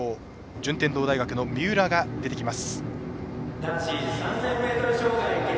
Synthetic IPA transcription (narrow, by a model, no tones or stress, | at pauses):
oː | d͡ʑɨ̃nt̪end̪o̞ːd̪aiɡakɯ̟no̞mʲɨːɾaɡad̪e̞t̪e̞kʲimasɨ̥ | d̪at͡ɕiːzsãnzãmme̞ːt̪oɾɯɕoːɡai